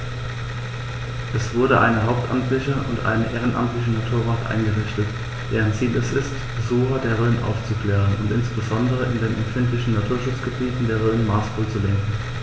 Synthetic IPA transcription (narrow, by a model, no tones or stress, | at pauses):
ʔɛsv̥ʊɐɾəʔa̰ɪnəɦaʊp̚tʔamtlɪçəʔʊ̰ntʔa̰ɪnəʔeːʁ̞ənʔa̰mtlɪçənatʰuːɐvaːktʔa̰ɪnɡəʁɪçtət | d̥eːʁənt͡siːlɛsɪstb̥əzuːχɐdeːɐʁøːnʔa̰ʊft͡sukl̥ɛːʁ̞ənʊ̰ntɪnsb̥əzɔndəʁ̞əʔɪ̰ndeːnʔɛmtfɪntlɪçn̩natʰuːɐʃʊt͡sɡ̥əbiːtn̩deːɐʁøːnmaɐsfʊlt͡sulɛŋkŋ̩